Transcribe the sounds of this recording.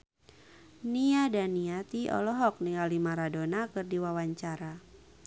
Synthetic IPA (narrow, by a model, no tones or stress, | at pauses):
niadaniat̪iɔ̰lɔɦɔk̚nialimaɾadonakɨrdiwawaɲt͡ʃaɾa